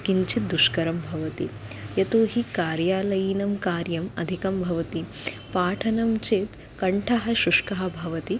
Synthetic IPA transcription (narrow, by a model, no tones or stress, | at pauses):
kiɲt͡ʃit̪̚d̪uʃkɐɾɐmbʱɐʋɐt̪ḭjɐt̪oːɦikaːɾjaːlɐjinɐmkaːɾjɐmɐ̰d̪ʱikɐmbʱɐʋɐt̪i | paːʈʰɐnɐmt͡ʃeːt̪ | kɐɳʈʰɐɦɐ̆ʃuʂkɐɦɐ̆bʱɐʋɐt̪i